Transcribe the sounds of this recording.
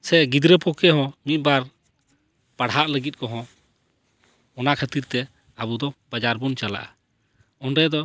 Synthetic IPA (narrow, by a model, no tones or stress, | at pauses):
sɛɡid̪ɾəpɔkɛɦɔ̃mit̪̚ˀbaɾ | paɽɦaʔləɡit̪̚kɔɦɔ̃ | ɔnakʰət̪iɾt̪ɛ | abud̪ɔbad͡ʒaɾbɔnt͡ʃala̰ʔa | ɔnɾɛd̪ɔ